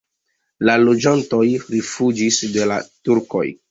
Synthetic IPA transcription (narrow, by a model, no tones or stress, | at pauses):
lalod͡ʒanto̞jɾifud͡ʒisde̞la̰tuɾko̞̰j